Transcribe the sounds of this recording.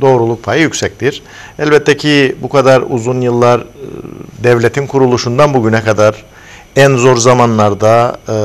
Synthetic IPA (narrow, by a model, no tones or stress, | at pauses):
d̪o̞ːɾulˠuk̚pʰajɯjycʲsɛc̚t̪iɾ̥ | ɛlbɛt̪ʰːɛcʰibukʰad̪aɾṵzunjɯlˠːaɾ | d̪ɛvlʲet̪ʰinkʰuɾulˠuʃund̪anbuɟynɛkʰad̪aɾ | ænzo̞ɾzamanlˠaɾd̪a